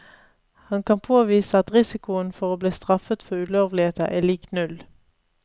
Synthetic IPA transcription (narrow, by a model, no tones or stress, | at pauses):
hɑnkʰɑnpʰoːʋiːsəɑt̪ʁɪsɪkʊənfɔʁoːbliːst̪ʁɑfət̪fɔʉloːʋlɪheːt̪əʔæːliːknʉl